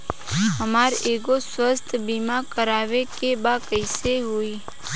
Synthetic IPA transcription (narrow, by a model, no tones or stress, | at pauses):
ɦəmaːɾeɡoswəst̪ʰbimakəɾaːʋekebakəɪseɦoːiː